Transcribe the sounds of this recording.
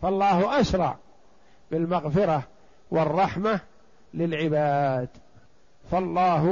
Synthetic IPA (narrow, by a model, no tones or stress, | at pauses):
fɑlˤːɑːhʔaʃɾˤɑ̰ʕ | bɪlmaɣfɪɾɑ | wɪrˤːɑħma | lɪlʕɪbaːd̪ | fɑlˤːɑːɦ